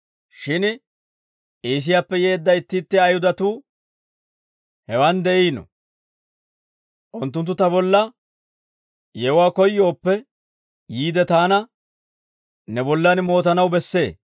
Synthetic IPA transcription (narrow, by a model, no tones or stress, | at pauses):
ʃɪn | iːs̬ɪjaːpːɛje̞ːd̪ːɐjɪt̪ːɪt̪ːɪɐjhʊd̪ɐt̪uː | hɛwɐnd̪ɛʔiːnɔ̰ | ʔʊnt̪ːʊnt̪ːʊt̪ɐbɔlːɐ | jɛʊwaːkɔjːo̞ːpːɛ | jiːd̪ɛt̪aːnɐ | nɛbɔlːɐnmo̞ːt̪ɐnɐwbɛsːe̞̰ː